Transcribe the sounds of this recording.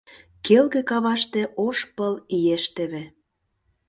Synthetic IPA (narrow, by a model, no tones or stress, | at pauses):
kelɣĕkɑβɑʃt̪ĕʔoʃpəlijeʃt̪ĕβĕ